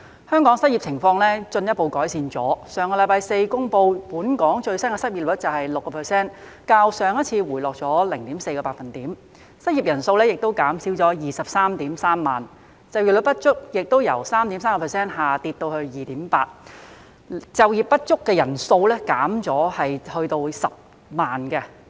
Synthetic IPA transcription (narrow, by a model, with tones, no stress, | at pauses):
hœː˥ŋkɔː˨˥ŋsɐ˥t̚i˨p̚t͡sʰɪ˨˩ŋfɔː˧ŋlɛː˥t͡sɵ˧njɐ˥po˧wkɔː˨˥jsiː˨˧nt͡sɔ̰ː˨˥sœː˨˧ŋkɔ˧lɐ˧˥jpaː˧jse˧jkʊ˥ŋpo˧wpuː˨˥nkɔː˨˥ŋt͡ʃɵ˧ɥsɐ˥nkɛ˧sɐ˥t̚i˨˩l̚t͡sɐ˨whɐ˨jlʊ˨˩kːɔː˧pʰɛ˨˩sɛː˥n | kaː˧wsœː˨˧ŋjɐ˥t̚t͡sʰiː˧wuː˨˩jlɔː˨k̚t͡sɔː˨˥lɪ˨˩ŋt̪iː˨˥mse˧jkɔː˧paː˧t̚fɐ˨nt̪iː˨˥m | sɐ˥t̚ji˨˩p̚jɐ˨˩nso˧wlɛː˥jɪ˨k̚t̪o˥wkaː˨˥msiː˨˥wt͡sɔː˨˥jiː˨sɐ˨p̚saː˥mt̪iː˨˥msaː˥mːaː˨˩n | t͡sɐ˨wjiː˨˩lɵ˨˧˥pɐ˥t̚t͡ʃʊ˥k̚jɪ˨k̚t̪o˥wjɐ˨˩wsaː˥mt̪i˨˥msaː˥ŋkɔ˧pʰɛ˨˩sɛː˥nhaː˨˩t̪iː˧t̪ːo˧whɵ˧ɥjiː˨t̪iː˨˥mpaː˧t̚ | t͡sɐ˨wjiː˨p̚ːɐ˥t̚t͡ʃʊ˥kːɛː˧jɐ˨˩nso˧wlɛː˥kaː˨˥mt͡sɔː˨˥hɐ˨jhɵ˧ɥt̪o˧wsɐ˨p̚ | maː˨nkɛ˧